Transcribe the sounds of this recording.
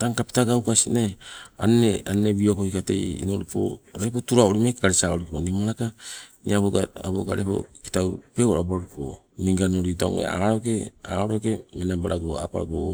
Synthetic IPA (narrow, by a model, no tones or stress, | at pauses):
taŋkapi̥taɡawkasinea̰neaneβiokohikate̞̰jḭnoɾipo̰ɾepo̞tuɾaoɾimakkaɾisaoɾiponimaɾakanḭaβoɡaaboɡa̰ɾepo̞̰ki̥tawpeoɾabaɾipo̰ | niŋɡanoɾitao̰ŋḛa̰aɾoke̞a̰oɾoke̞menabaɾaɡoa̰pa̰ɡo